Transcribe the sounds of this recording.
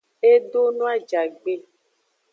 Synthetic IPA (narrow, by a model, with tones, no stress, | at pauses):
e˦ɖo˦nũ˦a˦d͡ʒa˨ɡ͡be˦˨